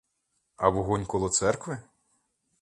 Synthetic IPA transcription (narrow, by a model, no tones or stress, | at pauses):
ɐʋɔɦunʲkɔlˠɔt̪sɛrkʋɪ